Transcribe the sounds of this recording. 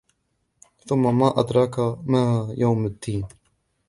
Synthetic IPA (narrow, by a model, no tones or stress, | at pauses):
θʊmːamaːʔad̪ɾˤɑkamaːhajawmad̪ːiːn